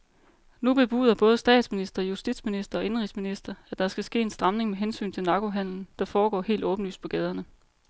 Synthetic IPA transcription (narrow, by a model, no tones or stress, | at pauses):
nub̥e̝b̥ṵːð̞ˠɐb̥ɔ̽ːðˠəsd̥ɛ̰ːd̥sminisd̥ʁɐjusd̥id̥sminisd̥ɐɒ̽e̝nʁisminisd̥ɐæd̥ɑ̈sɡ̥æsɡ̥e̝̰ːe̝nsd̥ʁɑ̈mne̝ŋmeɦensy̰ːn̩t͡sʰe̝lnɑ̈ɡ̥o̝ɦæn̰ln̩d̥ɑ̈fɒːɡ̥ɒ̰ːhe̝̰ːld̥ɔ̽ːb̥n̩ly̰ːs̚pʰɒ̽ɡ̥ɛːð̞ˠɐnə